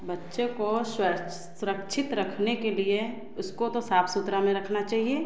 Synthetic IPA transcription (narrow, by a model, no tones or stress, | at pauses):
bɐtːʃekosʊə | sʊɾəkʃʰɪt̪ɾɐkʰnekelie | ʊskot̪osaːpʰsʊt̪ɾamẽɾɐkʰnat͡ʃaːɦieː